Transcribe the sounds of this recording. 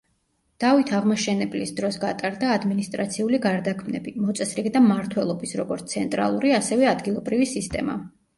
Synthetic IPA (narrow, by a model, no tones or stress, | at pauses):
d̪̥avit̪ʰaʁmɔʃɛnɛblisd̪ɾɔsɡat̪ʼaɾd̪aːd̪minist̪ʼɾa̰t̪sʰiuliɡaɾd̪akʰmnɛ̰bimɔt̪sʼɛsɾid̪amaɾt̪ʰwɛlˠɔbisɾɔɡɔɾt̪sʰɛnt̪ʼɾa̰lˠuɾiasɛvɛad̪ɡilˠɔbɾivisist̪ʼɛma̰